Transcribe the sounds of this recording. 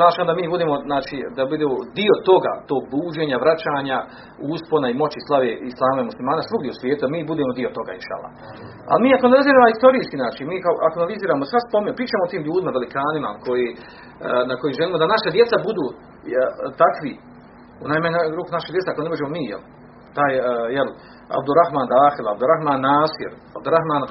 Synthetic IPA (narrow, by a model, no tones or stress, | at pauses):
naːʃamd̪amiːbud̪eːmo̞znaːt͡ʃid̪abud̪eːod̪iot̪o̞ɡa̰t̪oːɡ̚buːd͡ʒeːɲaʋɾat͡ɕaːɲa | uːsponaimo̞t͡ɕislˠaʋeislˠaːmaimuslimaːnasʋuɡd̪jeusʋʲjeːt̪ud̪amiːbud̪eːmod̪iot̪o̞ɡa̰ḭnʃa̰ːlːˠa̰h | a̰lmiːakoanaliziːɾaːmohist̪o̞ɾiːskinaːt͡ʃinmiːkaoʔakoanaliziːɾaːmosʋaspomiɲpɾiːt͡ʃaːmoot̪iːmʎuːd̪imaʋelikaːnima̰ko̞jiː | nako̞jiːmʒeliːmod̪anaʃad̪je̞t̪sabud̪uː | t̪akʋi | unaːjmaɲɾuːkunaʃedjeeakone̞bod͡ʒemo̞miːjḛl | t̪aːjjel | a̰bd̪uɾaxmaːnd̪aːxilˠaab̚d̪uɾaxmaːnːaːsḭɾ | abd̪uɾaxmaːn